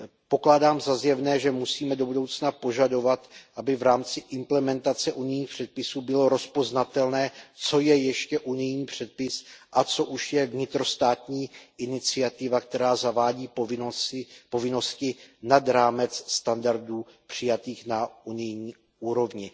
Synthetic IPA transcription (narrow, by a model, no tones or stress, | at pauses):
po̞klaːdaːmzazjɛvnɛːʒɛmusiːmɛdo̞budo̞wt͡snapo̞ʒado̞vat̪ʔabɪvɾaːmt͡sɪʔɪmplɛmɛnt̪at͡sɛʔunɪjɲiːxpr̥ɛt̪̚pɪsuːbɪlo̞ɾo̞spo̞znat̪ɛlnɛːt͡so̞jɛjɛʃcɛʔunɪjɲiːpr̝̥ɛt̪̚pɪsʔat͡so̞ʔuʃjɛvɲɪt̪ɾo̞st̪aːt̪ɲiːʔɪnɪt͡sɪat̪ɪvak̚t̪ɛɾaːzavaːɟiːo | po̞vɪno̞scɪnad̪ɾaːmɛt͡sːt̪andaɾduː | pr̝̥ɪjat̪iːxnaunɪjɲiː | ʔuːɾo̞vɲɪ